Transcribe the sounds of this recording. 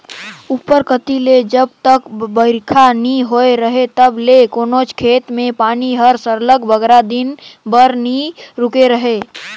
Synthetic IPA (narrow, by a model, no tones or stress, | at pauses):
upːəɾkət̪iled͡ʒəb̚t̪əkbəɪɾkʰaniɦoeɾəɦet̪əblekoːnot͡ʃʰkʰeːt̪mẽpaːniɦəɾsəɾləɡbəɡɾad̪inbəɾniɾʊkeɾəɦe